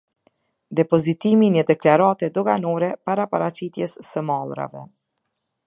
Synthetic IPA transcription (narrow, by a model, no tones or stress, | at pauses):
d̪ɛpɔzit̪imiɲəd̪ɛklaɾat̪ɛd̪ɔɡanɔɾɛpaɾapaɾat͡ɕit̪jɛsːəmalˠɾa̰vɛ̰